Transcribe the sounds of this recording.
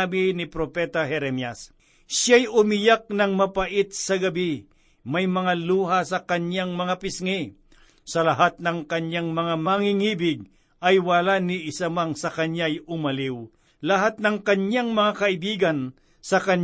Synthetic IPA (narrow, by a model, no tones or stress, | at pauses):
bɪnɪpɾopɛt̪ɐɦɛɾɛmjɐs | ʃjajʊmɪjak̚nɐŋmɐpɐʔɪt̪̚sɐɡɐbi | mɐjmɐŋaluːɦasɐkɐɲjaŋmɐŋapɪsŋɛ | sɐlɐɦat̪̚nɐŋkɐɲjaŋmɐŋamɐaŋiŋiːbɪɡ̚ | ʔɐjwɐlaniʔɪsamaŋsɐkɐɲjajʊmɐlɪw | lɐɦat̪̚nɐŋkɐɲjaŋmɐŋakɐʔɪbiːɡɐn | sɐkɐɲ